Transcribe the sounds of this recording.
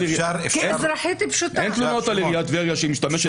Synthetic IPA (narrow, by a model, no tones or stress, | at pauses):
iiezɾaħit̪ipʃut̪ʔent̪lunot̪aliʁijat̪veʁijaʃemiʃtameʃe